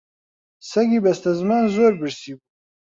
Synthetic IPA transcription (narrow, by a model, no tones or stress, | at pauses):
sɐɡiːbɐst̪ɐzmaːnzoːɾbɨɾsiːbu